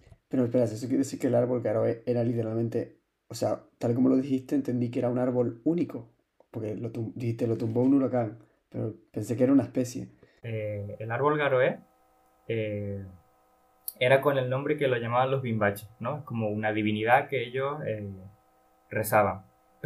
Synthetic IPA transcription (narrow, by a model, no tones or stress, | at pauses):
pe̞ɾoespeɾases̬okjeesiɾkelaɾβo̞lɡaɾoee̞ɾalit̪eɾalmẽnt̪e̞ | oseat̪alikomo̞lo̞ðixiht̪eːnt̪e̞nd̪ike̞ɾaunaɾβo̞luniko̞ | poɾkelot̪umd̪ihiht̪e̞lo̞t̪umbounulokaŋ | pe̞ɾo̞̰pe̞nse̞keɾaunaehpe̞sje̞̰ | eːlaɾβo̞lɣaɾoe | e | e̞ɾako̞ne̞lnõmbɾekeloʝamaβãnlo̞ɦβimbat͡ʃehnoesko̞mo̞unaðiβ̞iniðakeeʎo̞se | re̞saβaŋ